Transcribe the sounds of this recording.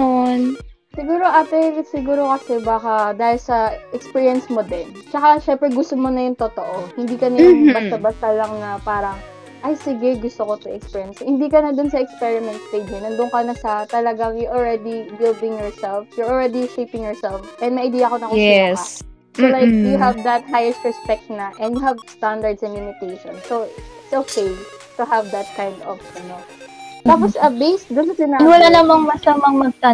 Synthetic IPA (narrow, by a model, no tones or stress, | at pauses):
on | sɪɡuːɾoʔaːt̪ɛsɪɡuːɾo̞kɐsɛbaːkɐd̪aːhɪlsɐʔɛkspiːɹijɐnsmod̪ɛnt͡ʃɐkaʃɛmpɾɛɡʊst̪omonɐjʊŋt̪ot̪oʔohɪnd̪iːkɐnɐjʊŋbɐsɐbɐst̪ɐlɐŋnɐpaːɾɐŋ | ʔajsɪɡɛɡʊst̪okot̪ʊʔɛkspiɹjɐnshɪnd̪iːkɐnɐd̪ʊnsɐɛkspɛɹɪmɛ̃nt̪st̪ejd͡ʒɐnɐnd̪ʊŋkɐnɐsɐt̪ɐlɐɡaŋjɔʔɔlɹɛd̪ibɪld̪ɪ̃ŋjɔɹsɛlfjɔɹɔlɹɛd̪iʃejpɪ̃ŋjɔɹsɛlfʔɛnmɐjʔɐjd̪iːjɐkonɐkʊɛ | solajkjʊɦavd̪ɐt̪̚ɦajɛst̪ɹɛspɛk̚t̪̚nɐʔɛ̃njʊɦɐvst̪and̪ɐɹd̪sɐnlumɪt̪eʃɔ̃nsoɪt̪sʔokʰejt̪ʊɦɐvd̪ɐt̪̚kãj̃nd̪ɔvɐnot̪aːpɔsɐbejst̪̚d̪ʊnsɐt̪ɪnanwɐlanɐmɐŋmɐsamɐŋmɐɡ̚t̪a